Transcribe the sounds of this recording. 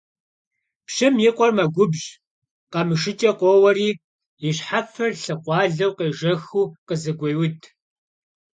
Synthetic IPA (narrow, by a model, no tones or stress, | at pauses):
pɕɐmjɪqʷʼɔrmɐɡʷʊbʑ | qɐmɨʂɨt͡ʃʼɐqʷɔwɐriː | ɪɕħafɐrɬɨqʷɑːɮɐwqeːʒɐxuːqəzɨɡʷɐjwʊtʰʼ